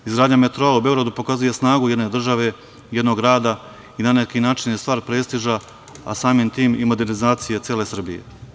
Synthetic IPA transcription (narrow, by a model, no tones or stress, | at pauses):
izɡɾaːd̪ɲamet̪ɾoaube̞oɡɾad̪upo̞kazuje̞snaːɡuje̞d̪ned̪r̩ʒaʋe̞ | je̞d̪no̞ɡɾaːd̪a | inanekinaːt͡ʃinjest̪ʋaːɾpɾeːst̪iʒa | a̰saːmimt̪iːmimo̞d̪e̞ɾnizaːt̪sijet̪sjele̞sr̩bijḛ